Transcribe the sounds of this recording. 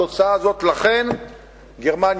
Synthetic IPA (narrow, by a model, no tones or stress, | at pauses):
o̞t͡saazo̞t̪laχe̞n | ɡeʁman